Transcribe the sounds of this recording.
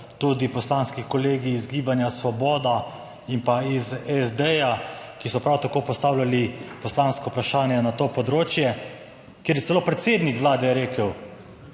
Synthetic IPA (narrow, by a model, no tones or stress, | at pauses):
t̪ud̪ipɔslaːnskikɔleːɡiːzɡiːbanjasʋɔbɔːd̪a | impaizɛzd̪ɛjakisɔpɾawt̪akoːpɔst̪aːwlalipɔslanskɔpɾaʃaːnjɛnat̪oːpɔd̪ɾoːt͡ʃjɛ | kjeːɾjɛt̪sɛloːpɾɛt̪seːd̪nikʋlaːd̪ɛɾeːkəw